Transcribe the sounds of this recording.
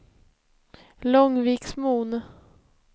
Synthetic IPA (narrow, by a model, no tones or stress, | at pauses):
lɔŋviːksmuːn